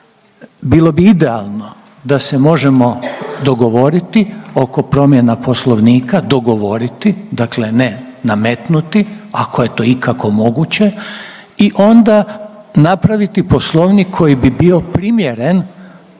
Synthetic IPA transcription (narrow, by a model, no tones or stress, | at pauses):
bilˠo̞biid̪e̞a̰lˠno̞ | d̪asemo̞ʒemo̞d̪o̞ɡo̞ʋo̞ɾit̪io̞ko̞pɾo̞mjenapo̞slˠo̞ʋniːkad̪o̞ɡo̞ʋo̞ɾit̪id̪akle̞ne̞ | namet̪nut̪iako̞je̞t̪o̞ːikako̞mo̞ɡut͡ɕe̞ | iʔo̞nd̪a | napɾaʋit̪ipo̞slˠo̞ʋnikkʰːo̞jibibio̞pɾimje̞ɾen